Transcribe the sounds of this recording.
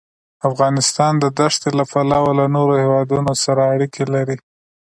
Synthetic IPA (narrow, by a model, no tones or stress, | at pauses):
afɣɑnɪst̪ɑnd̪əd̪aʂt̪elapalɑwalanoɾohewɑd̪unosaɾaːɽikelaɾi